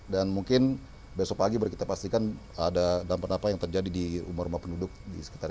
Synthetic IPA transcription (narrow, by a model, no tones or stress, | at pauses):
danmuŋkɪn | besɔpaɡibərkit̪apast̪ikan | adadampat̪apajaŋt̪ərd͡ʒadidiṵmʊrumapəndudʊk̚disə̥ki̥t̪ar